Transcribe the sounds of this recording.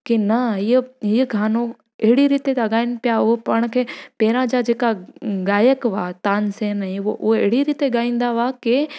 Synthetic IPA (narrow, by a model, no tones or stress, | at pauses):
kinɐɦiɦiːəɡʱaːno | eɦɪɽiɾiːt̪et̪ɐɠaːɪnɪ̆pɪjaʊɦpaːɽ̃kʰeːpeːɾãd͡ʑad͡ʑeːkaɡaːjəkʋaːt̪aːnseːnəĩoʔʊɦeeɦɪɽiɾiːt̪eɠaːĩːn̆d̪aʋake